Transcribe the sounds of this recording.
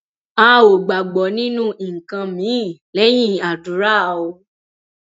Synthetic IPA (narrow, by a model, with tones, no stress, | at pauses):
a˦˧˦o˨ɡ͡ba˨ɡ͡bɔ˨nĩ˦nũ˦i˨ŋ̩˨kã˧mĩ˨˦˨lɛ˨˦j̃ĩ˦˨a˨du˨ɾa˦˨o˧